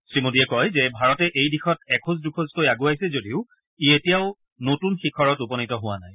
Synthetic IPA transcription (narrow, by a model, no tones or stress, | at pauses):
sɹimodiɛkɔjzɛbʱaɹɔtɛʔejdixɔtɛkʰuz̬dukʰozkojaɡuajsɛzodiʊ | ietijaʊ | notunxikʰɔɹɔtupɔnitɔɦʊwana̰j